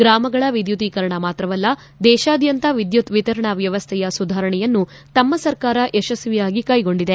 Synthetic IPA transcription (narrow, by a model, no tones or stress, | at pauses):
ɡɾaːmɐɡɐɭɐʋid̪jut̪iːkɐɾɐɳɐmaːt̪ɾɐʋɐlːɐ | d̪ɛːʃaːd̪jɐnt̪ɐʋid̪jut̪ʋit̪ɐɾɐɳɐʋjɐʋɐst̪ʰɛjɐsud̪ʱaːɾɐɳɛjɐnːu | t̪ɐmːɐsɐɾkaːɾɐʔeʃɐsʋijaːɡikaːjiɡo̞ɳɖid̪e̞